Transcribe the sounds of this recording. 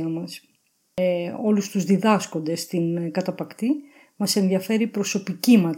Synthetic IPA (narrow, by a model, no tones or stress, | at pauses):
ɐmɐs | o̞lust̪uzðiðɐsko̞nd̪e̞st̪inkɐt̪ɐpɐkt̪i | mɐse̞nðiɐfe̞ɾipɾo̞so̞picimɐ